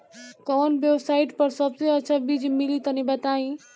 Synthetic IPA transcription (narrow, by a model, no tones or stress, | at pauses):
kɔːnbjebsaiʈpəɾsəbseətːt͡ʃʰabid͡ʒmilit̪ənibɛt̪aĩ